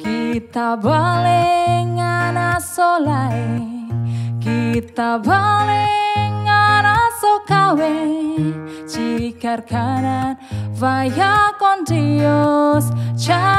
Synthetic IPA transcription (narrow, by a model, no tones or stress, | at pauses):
kit̪abaleŋanasolae | kit̪abaleŋanasokawe | t͡ʃiɡarɡananvajakɔndiost͡ʃa